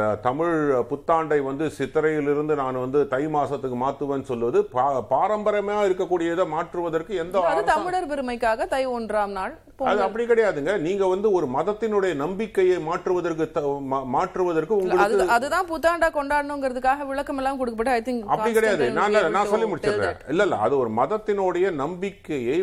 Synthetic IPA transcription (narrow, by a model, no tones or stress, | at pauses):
t̪ɐmɪɻpʊt̪ːaːɳɖɐɪʋɐnd̪ɯsɪt̪ːɐɾɐjɪlɪɾɯnd̪ɯnaːnʋɐnd̪ɯt̪ɐɪmaːsɐt̪ːɯkːɯmaːt̪ːɯʋẽːnːɯsɔlːɯʋɐðɯpaːɾɐmbɐɾɐmɐjaːɪɾɯkːɐkːuːɽɪjɐɪðɐmaːʈrɯʋɐðɐrkɯɛnd̪ɐɐðɯɐt̪ɐmɪɭɐɾpɛɾɯmɐɪkːaːɣɐt̪ɐɪɔnɖɾaːmnaːɭ | poːɐðɯɐpːɐɽikːɪɽɐjaːðɯŋɡɐniːŋɡɐʋɐnd̪ɯɔɾɯmɐðɐt̪ːɪnɯɽɐjɐnɐmbɪkːɐjɐɪmaːʈrɯʋɐðɐrk̬ɯt̪ɐmmaːʈrɯʋɐðɐrkɯʊŋɡɐɯɐkːɯɐðɯt̪ãːput̪ːaːɳɖaːkɔɳɖaːɽɐnʊ̃ŋɡɪɾɐðɯkːaːɣɐʋɪɭɐkːɐmɛlːaːmkɔɽɯkːɐpːɐʈːɯɐt̪ːɯɐpɐɽikːɐɽɐjaːðɯnaːɐnãːsɔlːimʊɽɪt͡ʃːɯɾɾeḛ̃ːɪlːɐlːɐɐðɯɔɾɯmɐðɐt̪ːɪnɔɽɐjɐnɐmbɪkːɐjɐɪ